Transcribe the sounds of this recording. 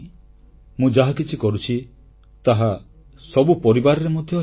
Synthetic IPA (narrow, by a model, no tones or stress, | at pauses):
mũd͡ʒaɦakit͡ʃʰikɔɾut͡ʃʰi | t̪aɦa | sɔbupɔɾibaɾɔɾemod̪ʱjɔ